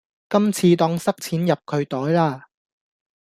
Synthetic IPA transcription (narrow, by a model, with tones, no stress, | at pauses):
kɐ˥mt͡sʰiː˧t̪ɔː˧ŋsɐ˥k̚t͡sʰiː˨˥njɐ˨p̚kʰɵ˨˧ɥt̪ɔː˨˥jlaː˥˩